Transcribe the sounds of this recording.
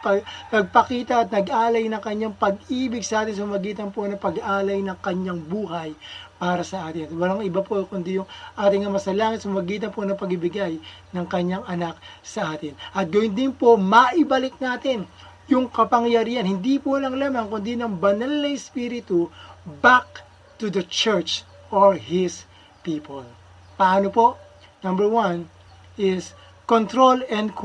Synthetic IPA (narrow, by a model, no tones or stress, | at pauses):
pɐnɐɡ̚pɐkiːt̪ɐʔːt̪̚nɐɡʔaːlɐjnɐŋkɐɲːaŋpɐɡiːbɪɡsɐʔaːt̪ɪns̬ɐmmɐɡiːt̪ɐnpo̞nɐŋpɐɡʔaːlɐjnɐŋkɐɲaŋbuːhɐjpaːɾɐsɐʔaːt̪ɪnwɐlaŋʔɪbapo̞kʊnd̪ijʊŋʔaːt̪ɪŋɐmɐsɐlaːŋɪt̪̚sʊmmɐɡiːt̪̬ɐnpo̞nɐŋpɐɡɪbɪɡajnɐŋkɐɲːaŋʔɐnak̚sɐʔaːt̪ɪnʔɐt̪̚ɡɐjʊnd̪ɪnpo̞mɐʔɪbɐlɪk̚naːt̪ɪn | jʊŋkɐpɐŋjɐɾiːhɐnhɪnd̪ipolɐŋlamankʊnd̪inɐŋbɐnalnɐjspiːɾɪt̪ʊbak̚ | t̪ud̪ɐt͡ʃɛɹt͡ʃ | ʔoɹhɪs | piːpʰol | pɐʔaːnopo̞ʔ | nɐmbɛɹwan | ʔɪs | kont̪ɾolɛnd̪k